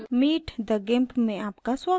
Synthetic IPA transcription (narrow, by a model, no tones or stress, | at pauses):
miːʈʰd̪əɡempmẽaːpkaswaː